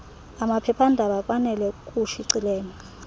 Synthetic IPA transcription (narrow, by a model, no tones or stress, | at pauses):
amapʰɛpʰandʱaɓaf̬ʼanɛlɛk̬ʼuʃiǀilɛːŋa